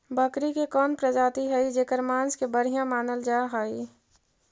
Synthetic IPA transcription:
bəkɾikekɔːnpɾəd͡ʒaːt̪iɦɛid͡ʒeːkəɾmaːnskebəɽ̤ijãmaːnəld͡ʒaːɦaːi

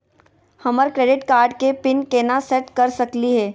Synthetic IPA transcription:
hɐməɾkɾeːɖɪʈkaːɾɖkepɪnkeːnasɛʈkɐɾsɐkliɦɛː

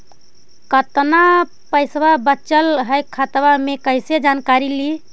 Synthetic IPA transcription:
kət̪na | pəɪsbabətːt͡ʃəlɦəjkʰːat̪bamekəjsed͡ʒankaɾili

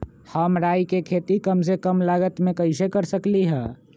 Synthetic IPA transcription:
həmɾajkekʰet̪ikəmsekəmlaɡət̪mekəɪsekəɾsəkliɦɛ̃

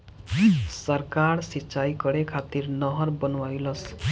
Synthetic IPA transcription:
sʌrkarsit͡ʃajkʌɽekʰat̪irnʌɦʌrbʌnwajlʌs

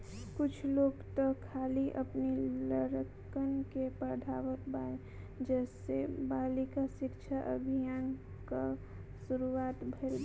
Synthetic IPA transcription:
kʊt͡ʃʰloːɡt̪akʰːaːliʔəpniləɾək | ənkepəɾd̪ʱaːʋəkbae | d͡ʒɛːsebaːlikaʃɪkt͡ʃʰaʔə̰bʱijaːn | ka | suɾuaːt̪bʱelb

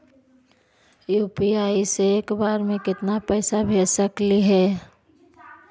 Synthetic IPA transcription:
juːpiaːiseːkbaːɾmẽkɪt̪napəɪsabʱeːsəkliɦɛː

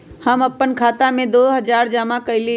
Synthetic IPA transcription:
hɐmɐpːənkʰaːt̪amẽd̪oːɦɐd͡ʒaːɾd͡ʒaːmakɐɪli

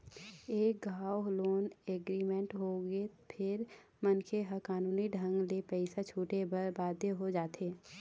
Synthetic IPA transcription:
eːk̚ɡʱaːwoɦloːneɡɾiːmẽɳʈɦoɡepʰɪɾ | mənkʰeɦəkaːnuːniɖʱə̃ŋɡlepɛɪsat͡ʃʰuːʈebəɾbaːd̪ʱjeɦod͡ʒaːt̪ʰeː

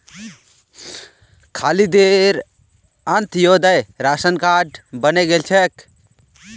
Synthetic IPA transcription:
kʰalid̪eɾ | ənt̪ʰjod̪əjɾasənkaɖbəneɡelt͡ʃʰɛk

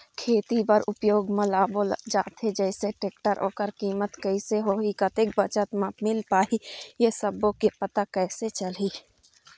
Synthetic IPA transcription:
kʰeːt̪ipəɾʊpjoːɡmə̃laːbold͡ʒa̰ːt̪ɦed͡ʒɛːɪseʈeːk̚ʈəɾʔo̰ːkəɾkiːmət̪kəiseɦoːɦikət̪ek̚bət͡ʃət̪mãmɪlpaːɦijesəbokepət̪akɛːset͡ʃəliː

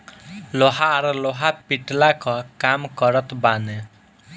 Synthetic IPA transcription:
loɦaːɾɔloɦapiʈlakɔkamkʌɾʌt̪bane

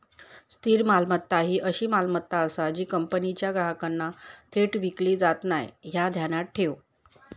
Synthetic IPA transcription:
st̪ʰiːɾmalmət̪ːaɦiːʔəɕiːmalmət̪ːaəsad͡ʑiːkəmpənit͡ɕjaɡɾaɦəkanːat̪ʰeʈʋikliːd͡zat̪najɦjad̪ʱjanaʈʰːew

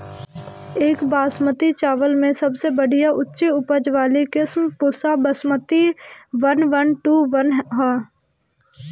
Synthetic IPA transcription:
eːkbaːsmət̪it͡ʃaːʋəlmẽsɐbsebəɽ̤ʱijaʔʊtːʃeʊpəd͡ʒʋaːlikɪsmpʊsabəsmət̪iʋənʋənʈuʋənɦɦaː

